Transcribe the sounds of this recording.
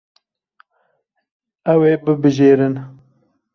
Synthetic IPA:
ɛweːbɨbɨʒeːɾɨn

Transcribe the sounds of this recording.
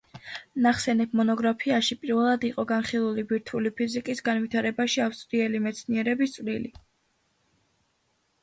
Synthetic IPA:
naχsɛnɛb̚ʰmɔnɔɡɾapʰiaʃipʼiɾvɛlˠad̪iqʼɔɡanχilˠulibiɾt̪ʰulipʰizikʼisɡanvit̪ʰaɾɛbaʃiafst̪ʼɾiɛlimɛt̪sʰniɛɾɛbist̪sʼvɾili

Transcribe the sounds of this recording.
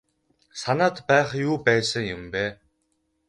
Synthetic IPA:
sanaːt̪pæːχjuːpæːsə̆ŋjʊmpeː

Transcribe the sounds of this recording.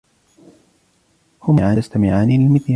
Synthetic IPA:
hʊmʕaːst̪amɪʕaːnilɪlmɪθja

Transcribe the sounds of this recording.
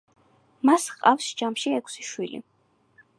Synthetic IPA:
masqʼafsd͡ʒamʃiɛkʰsiʃwilḭ

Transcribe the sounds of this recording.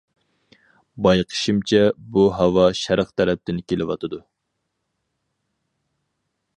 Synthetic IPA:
bɑjqʰə̥ʃimt͡ʃʰɛbuɦɑwɑʃæɾqt̪ʰɛɾɛp̚t̪ʰɪnkʲelɪwɑ̰t̪ʰɨd̪u

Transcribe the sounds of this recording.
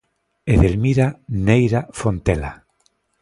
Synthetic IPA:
eðelmiɾanejɾafont̪ela

